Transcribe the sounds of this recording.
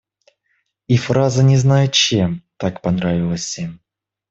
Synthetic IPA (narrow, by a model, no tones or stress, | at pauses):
ifrazənʲɪznajʊt͡ɕemt̪akpɐnɾavʲɪlˠəsʲem